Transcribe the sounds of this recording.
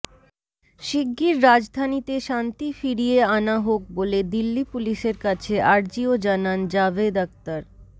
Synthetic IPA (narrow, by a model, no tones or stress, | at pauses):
ʃiɡːiɾːad͡ʑd̪ʱanit̪eʃant̪ifiɾijeanaɦok̚boled̪ilːipuliʃeɾkat͡ɕʰeʔaɾd͡ʑiod͡ʑanand͡ʑabed̪ak̚t̪aɾ